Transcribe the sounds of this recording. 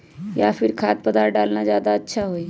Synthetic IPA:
japʰɪɾkʰaːt̪̚pəd̪aɖaːlnad͡ʒjaːd̪aətːʃʰaɦoi

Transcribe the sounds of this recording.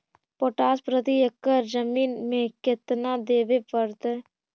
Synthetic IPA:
poːʈaːspɾət̪ijəkːəɾd͡ʒəmiːnmẽkɪt̪nad̪eːʋepəɾt̪ː

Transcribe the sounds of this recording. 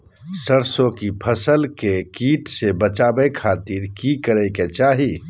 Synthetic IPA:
səɾsokipʰəsəlkekiʈsebət͡ʃabɛkʰat̪iɾkikəɾəket͡ʃaːɦi

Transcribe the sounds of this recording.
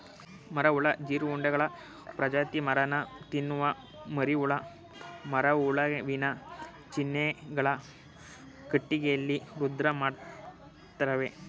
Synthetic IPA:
mɐɾɐuɭɐd͡ʒiːɾuuɳɖɐɡɐɭɐ | pɾɐd͡ʒaːt̪imɐɾɐnɐt̪inːuʋɐ | mɐɾiuɭɐ | mɐɾɐuɭɐʋinɐ | t͡ʃinːeɡɐɭɐ | kiʈːiɡejɐlːiɾud̪ɾɐmaːɽ | t̪ɾɐʋe

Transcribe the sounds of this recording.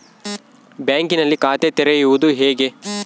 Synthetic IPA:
baːŋkinɐlːikaːt̪et̪ɛɾejuʋud̪uɦeːɡe̞

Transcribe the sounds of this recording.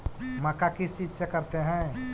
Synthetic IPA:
mɐkakɪst͡ʃiːd͡ʒsekəɾt̪eɦɛ̃

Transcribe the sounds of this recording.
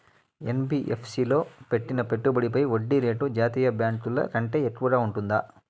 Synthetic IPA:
enbiːʔepʰsiːlo̞ːpe̞ʈːinɐpeʈːubɐɽip̬ɐjoɖːiɾe̞ːʈud͡ʒaːt̪iːjɐbjaːɳkulɐ̰kɐɳʈe̞ːekːuʋɐɡaːuɳʈund̪aː

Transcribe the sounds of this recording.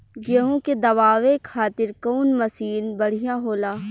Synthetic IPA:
ɡeɦõked̪ɐʋaːʋekʰaːt̪ɪɾkɔːnməsiːnbɐɽ̤ijãɦoːlaː

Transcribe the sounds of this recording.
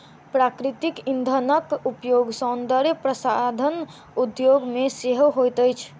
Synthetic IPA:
pɾakɾit̪ikind̪ʱənəkupjoɡsɔnd̪əɾjəpɾəsad̪ʱən | ud̪joɡmeseɦɦojt̪əjt͡ʃʰ

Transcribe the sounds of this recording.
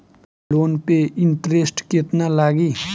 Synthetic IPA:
loːnpeʔɪɳʈɾesʈket̪nalaːɡiː

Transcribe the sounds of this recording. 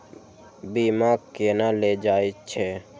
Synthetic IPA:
biːmaːkkenaled͡ʒaːet͡ʃʰɛː

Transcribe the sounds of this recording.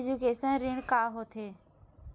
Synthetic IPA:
d͡ʒukeːsənɾɪɳkaːɦot̪ʰeː

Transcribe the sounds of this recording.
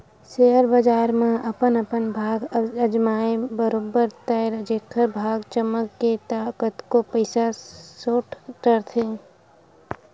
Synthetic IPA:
sejəɾbəd͡ʒaːɾmẽɐpənəpənbʱaːɡəd͡ʒmaːebəɾoːbəɾt̪ɛɾəd͡ʒeːt̪ʰəɾbʱaːɡt͡ʃəməkːet̪aːkət̪kopəɪsasoːʈkəɾt̪ʰeː

